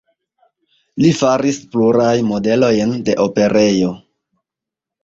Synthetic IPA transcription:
lifaɾispluɾajnmo̞de̞lo̞jnde̞ʔo̞pe̞ɾe̞jo̞

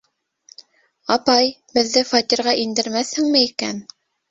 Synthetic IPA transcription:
ɑpɑj | bɘ̆ðːɘfɑt̪ʲiɾʁɑʔind̪ɘ̆ɾmæθhɘŋmɘikæn

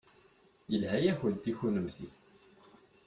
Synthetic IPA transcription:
jəlhæjæçənt̪ːiçunəmθi

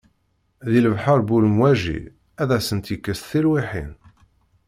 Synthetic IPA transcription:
ðiləvħəɾbuləmwæʒḭ | æðæsənt̪jikːəst̪θilwiħḭn

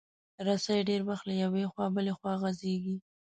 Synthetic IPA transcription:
ɾasajɖeɾwaxt̪lajawexwɑbəlexwɑɣazeɡi

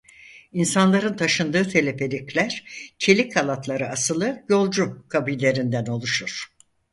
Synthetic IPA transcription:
insanlˠaɾɯnt̪ʰaʃɯnd̪ɯːt̪ʰe̞lʲe̞pʰe̞lʲiclʲæɾ̥t͡ʃʰe̞lʲikʰalˠat̪ʰlˠaɾɯasɯlˠɯjo̞lˠd͡ʒukʰabujlʲe̞ɾind̪æno̞lˠuʃuɾ̥

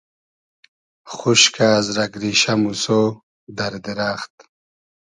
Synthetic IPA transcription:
χuʃkʰaːzɾɐɡɾiɕamuso | d̪ɐɾd̪iɾaːχt̪

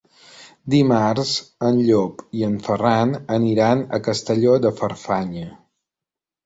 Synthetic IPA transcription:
d̪imaɾzənʎopiəɱfəranəniɾanə̰kəst̪əʎod̪əfəɾfaɲə

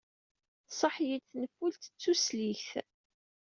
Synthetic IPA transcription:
sˤəħjiθnəfːult̪ə̥t͡sːusliçθ

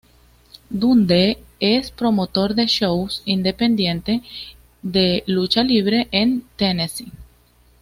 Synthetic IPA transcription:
d̪und̪eespɾo̞mot̪o̞ɾðeʃowsind̪e̞pend̪jẽnt̪e | ðelut͡ʃaliβ̞ɾeʔent̪enesi

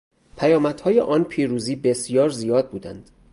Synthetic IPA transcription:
pʰæjɒːmæd̪̥hɒːjḛʔɒːnpʰiːɾuːziːbe̞sjɒːɾzijɒːd̪̚buːd̪æ̰nd̪̥

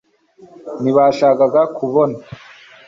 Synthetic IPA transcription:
niβaʃaːkaɡakuβona

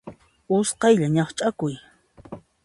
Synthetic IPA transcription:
ʊsqɑjʎaɲɑχt͡ʃʼakʊj

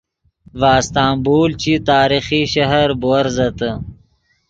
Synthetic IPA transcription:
vaːst̪aːmbuːlt͡ɕit̪aːɾixiɕɐɦɐɾbuɐɾzɐt̪ə

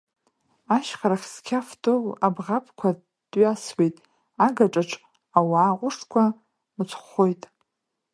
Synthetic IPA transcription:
aʃχaɾaχʲskʲʰaftʰʼolabʁapʰʼkʷʰa | d̥ɥaswejtʼ | aɡaʈ͡ʂʼaʈ͡ʂʰʼ | awaːqʷʼʊʂtkʷʰa | mɨt͡sʷʰʼχojtʼ

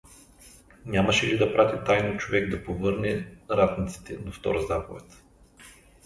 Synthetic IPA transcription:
nʲamɐʃɛlid̪ɐpɾat̪it̪ajnot͡ʃovɛɡd̪ɐpovɤɾnɛɾat̪nit̪si̥t̪ɛd̪oft̪ɔ̰ɾəzapovɛt̪

